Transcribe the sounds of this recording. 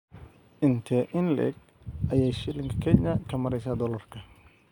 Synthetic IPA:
ʔɪnt̪ʰɛʔɪnlɛ̰ɡ̚ | ʔɐjɛjʃɪlɪŋkʰɐ̥kʰɛɲɐkʰɐmɐɾɛjsaːd̪ɔlɐrkʰɐ

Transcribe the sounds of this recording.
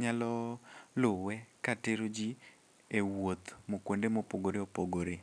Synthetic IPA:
ɲalɔlʊwɛkateɾod͡ʒi | ewot̪mokwondemopoɡoɾeopoɡoɾe

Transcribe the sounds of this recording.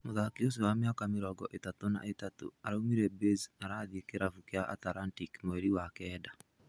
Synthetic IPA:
moðakios̬ewamjakameɾɔɡɔʔetatona̰ʔetato̰aɾaumiɾɛbezaɾaðiekeɾafukjaʔa̰taɾantikmoɛɾiwakɛːda

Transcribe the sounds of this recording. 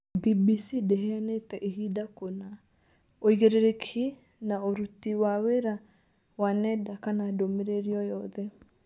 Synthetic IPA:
bibisidɛɦeanetɛʔehidakona | oiɣeɾeɾekʰi | naoɾutiwaweɾa | wanɛdakanadomeɾeɾiɔjɔðɛ

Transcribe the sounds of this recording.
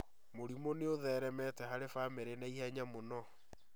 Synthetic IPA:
moɾimoneoðɛːɾɛmɛtɛɦaɾefameɾenaihaɲamonɔ

